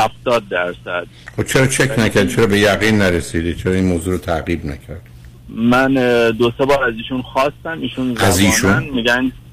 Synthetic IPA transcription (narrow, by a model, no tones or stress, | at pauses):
hæft̪ɒːd̪̚ːæɾsæd̪̥χobt͡ʃʰeɾɒːt͡ʃʰekʰnæcʰæɾd̪̚t͡ʃʰeɾɒːbe̞jæɣiːnːæɾesid̪et͡ʃʰeɾɒːinmoːzuːɾot̪ʰæɣiːbnæ̰kcʰæɾd̪̥ | mænd̪osebɒːɾæziːʃunxɒːst̪æmiːʃunzæziːʃunnmiɡæn